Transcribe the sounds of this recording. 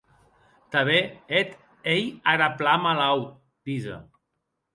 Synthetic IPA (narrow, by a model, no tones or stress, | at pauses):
t̪aβeet̪ | ejaɾaplamalaw | d̪̥iza̰